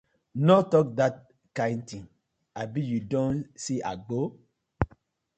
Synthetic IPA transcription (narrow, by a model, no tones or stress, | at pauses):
nɔtɔk̚dat̚ | kãɪ̃nd̚tĩŋ | abijudõnsiʔa̰ɡo